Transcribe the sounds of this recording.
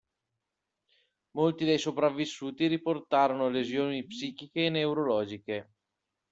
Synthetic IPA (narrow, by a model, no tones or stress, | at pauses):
molt̪id̪ejsopɾavːisːuːt̪iɾiport̪aːɾonolezjoːnipsiːkikeːneuɾolɔːd͡ʒike